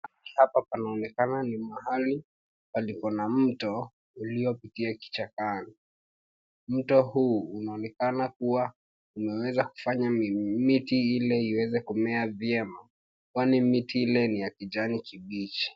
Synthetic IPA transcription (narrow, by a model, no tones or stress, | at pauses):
aihapapanaɔnɛkananimaɦali | palikɔnam̩tɔ | uliɔpitiaki̥t͡ʃakani | m̩tɔhuːunaɔnɛkanakuwa | umɛwɛzaku̥faɲamitiilɛiwɛzɛkumɛavjɛma | kwanimitiilɛnijakiʄanikiɓit͡ʃi̥